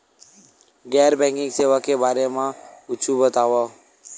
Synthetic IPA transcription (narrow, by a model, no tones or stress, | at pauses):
ɡɛːɾbɛ̃ŋkɪ̃ŋɡseːʋakebaːɾemãʊt͡ʃʰubət̪aːʋo